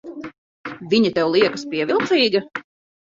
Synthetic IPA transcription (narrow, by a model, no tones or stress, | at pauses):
vʲiɲɛt̪ɛwlˠiɛkɐspiɛvʲilˠt̪siːɡɐ